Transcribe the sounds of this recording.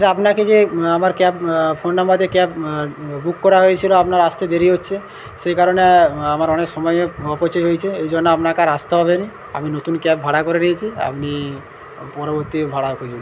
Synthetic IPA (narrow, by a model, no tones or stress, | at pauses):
sapnaked͡ʑeamaɾkɛppʰonːambad̪ʱekɛpbukːɔɾaɦoet͡ɕʰiloapnaɾast̪ed̪eɾiotːʃʰe | sekaɾoneamaɾɔneksɔmɔjeɔpɔt͡ʃɔjɦojt͡ɕʰeejd͡ʑɔnːoapnakaɾast̪eɦɔbeni | a̰minot̪unkɛp̚bʱaɽakɔɾeniet͡ʃʰia̰pni | pɔɾoboɾt̪ibʱaɽakʰod͡ʑol